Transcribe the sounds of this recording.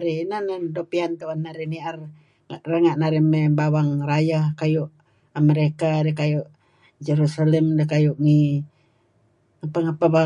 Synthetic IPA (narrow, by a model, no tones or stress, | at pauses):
ɾinanadopiant̪uanːaɾiniar | aʔrəŋaʔnaɾimɛbawaŋrajahkajuʔ | aməɾekadekajuʔ | d͡ʒeɾusalɛmdəkajuʔŋi | ŋapaŋapaba